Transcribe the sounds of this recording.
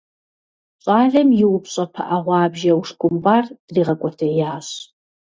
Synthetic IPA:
ɕʼɑːɮɐmjɪwʊpɕʼɐpʰɐ̰ʔɐʁʷɑːbʒɐwʂkʷʼʊmbaːrd̥riːʁɐkʷʼɔtʰɐjaːɕ

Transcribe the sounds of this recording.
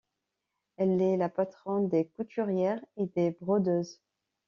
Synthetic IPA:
ɛlɛlapat̪χɔ̃nd̪ekut̪ʰyʁjɛʁed̪ebʁɔd̪øːz

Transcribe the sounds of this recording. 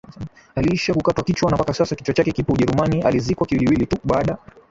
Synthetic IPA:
aliiʃakukatwakit͡ʃwanapakasasakit͡ʃwat͡ʃakɛkipɔuʄɛɾumania̰lizikwakiwiliwilituɓaːɗa

